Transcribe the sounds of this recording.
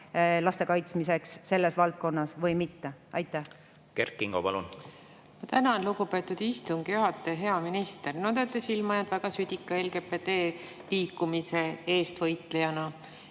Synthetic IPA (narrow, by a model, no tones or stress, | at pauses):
lɑst̪e̞kɑjt̪smise̞ksːe̞lːe̞svɑlt̪̚ko̞nːɑsvɤjmit̪ːeʔɑjt̪ːˑæh | kerkːˑiŋɡ̥opɑlun | mɑt̪ænɑnluɡupe̞ːt̪ːud̪̥ist̪uŋɡ̥juɦɑt̪ːˑeɦe̞ɑminist̪ernod̪et̪ːˑesilmɑjɑnt̪væɡ̥ɑsyd̪̥ʲikːˑɑelɡ̥eped̪eː | liːkːumiseeːst̪vɤjt̪ˑlejɑnɑ